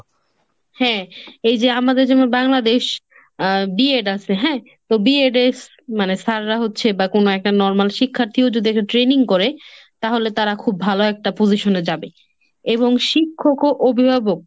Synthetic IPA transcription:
hɛ̃ejd͡ʑeamad̪eɾd͡ʑɛmabaŋlad̪eʃ | bieɖasʰeɦɛ̃ | t̪obieɖes | manesʰaɾɾaɦotːɕʰebakonoɛk̚ʈanɔɾmalʃikʰːaɾt̪ʰiod͡ʑod̪iɛk̚ʈaʈɾeniŋkɔɾe | t̪aɦolet̪aɾakʰubːʱaloɛk̚ʈapoziʃoned͡ʑabe | eβoŋʃikʰːokoʔobʱibʱabok̚

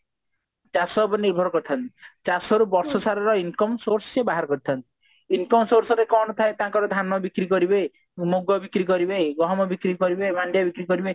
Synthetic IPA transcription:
t͡ʃasɔbɔniɾbʱɔɾɔkɔɾt̪ʰɔnt̪it͡ʃasɔɾubɔɾsɔsaɾɔɾɔinkɔmsoɾsɔ̥sebaɦaɾɔkɔɾit̪ʰɔnt̪i̥ | inkɔmsoɾsɔɾekɔnɔt̪ʰaet̪aŋkɔɾɔd̪ʱanɔbikɾikɔɾibe | moɡɔbikɾikɔɾibeɡɔɦɔmɔbikɾikɔɾibemanɖjabikɾikɔɾibe

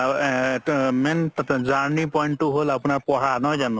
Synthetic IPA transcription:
mɛntatɛzaɹnipɔjntːʊɦolapʊnaɹpɔɹanɔjzanʊ̃

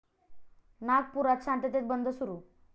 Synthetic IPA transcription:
nak̚puɾat̪̚t͡ɕʰãɳʈ̪et̪et̪̚bənd̪ʱəsuɾu

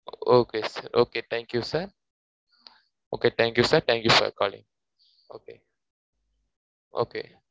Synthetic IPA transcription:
ooːkesəɾʔoːket̪ʰɛ̃ŋkjusəɾ | o̰ːket̪ʰɛ̃ːŋkjuːsəɾt̪ʰɛ̃ŋkjufə̰kɔːlɪ̰̃ŋ | oːke | o̰kḛː

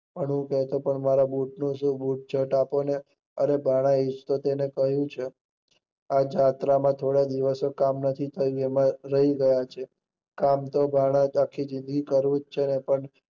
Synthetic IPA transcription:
pəɳɦũkɛɦt̪opəɳmaɾabuʈ̚nũʃũbuʈ̚t͡ʃʰəʈapone | ənebʱaɽ̃aed͡ʒt̪ot̪enekəɦjũt͡ʃʰe | ad͡ʒat̪ɾamãt̪ʰoɽad̪iʋəsokamnət̪ʰit̪ʰəjũemãɾəɦiɡəjat͡ʃʰe | kamt̪obʱaɽ̃ãakʰːid͡ʒɪ̃nd̪ɡikəɾʋũd͡ʒt͡ʃʰenepəɳ

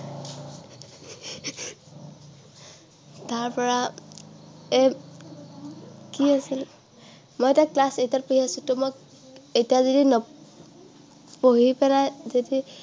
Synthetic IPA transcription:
taɹpɔɹa | e | kiasil | mojtaklasejtapoɦiasʊtɔmɔk | ejtijazodinɔ | poɦipɛnajzodi

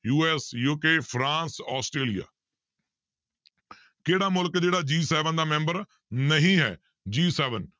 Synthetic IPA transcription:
juːɛːsjuːkeːpʰɾãːnsɔːsʈɾeːlija̰ː | keːɽaːmʊlkd͡ʒeːɽaːd͡ʒiːsɛːʋənd̪aːmɛ̃ːmbəɾ | nəɦĩːɦɛ̰ː | d͡ʒiːsɛːʋən

